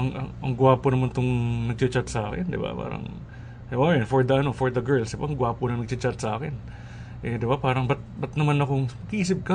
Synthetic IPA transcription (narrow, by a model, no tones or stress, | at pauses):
ɐŋɐ̰ŋʔɐŋɡʊwaːponɐmant̪oŋnɐɡ̚t͡ʃɐt͡ʃat̪̚sɐʔaːkɪ̰nd̪ɪ̰ba̰pa̰ːɾɐ̰ŋ | ʔoɾɛnfoɹd̪ɐɐno̞foɹd̪ɐɡɛɹlsd̪ɪbaʔɐŋɡʊwaːpʊnɐŋnɐɡ̚t͡ʃɪt͡ʃat̪̚sɐʔaːkɪn | ʔɛd̪ɪbapaːɾɐŋbɐt̪̚bɐt̪̚nɐmanɐkoŋmɐɡʔiːsɪp̚kɐ